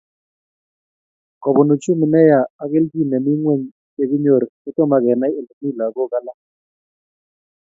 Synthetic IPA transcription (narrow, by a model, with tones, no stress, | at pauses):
kɔ˨bɔ˨no˨t͡ʃu˦mi˨nɛ˦jaː˨˦ke˦ld͡ʒi˦˨nɛ˨mi˦ŋwe˦˨ɲ | e˦ku˦ɲo˨ɾɛ˦tɔ˦ma˦kɛ˨na˦e˨lu˨mi˦˨la˨kɔ˦˨ka˦la˦